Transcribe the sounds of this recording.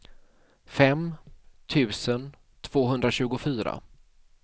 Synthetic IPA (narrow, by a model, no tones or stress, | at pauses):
fɛmt̪ʰʉ̟ːsən | t̪ʰv̥oːɦɵnd̪ɾaɕʉ̟ːɡʊfyːɾa̰